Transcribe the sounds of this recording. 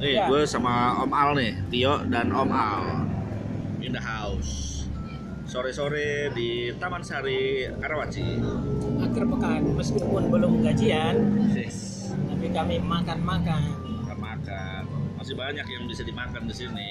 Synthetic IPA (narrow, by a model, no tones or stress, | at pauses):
ɪhɡuasamaɔmalnɪht̪iɔʔdanʔɔmʔal | indaɦaʊs | soɾɛsoɾɛdit̪amansaɾikaɾawat͡ʃḭ | akɪrpəkanməskipʊnbəlʊməɡad͡ʒiansɪ | t̪apikamimakanmakanmakanmaka | nmasɪhbaɲakjaŋbisadimakandisinɪ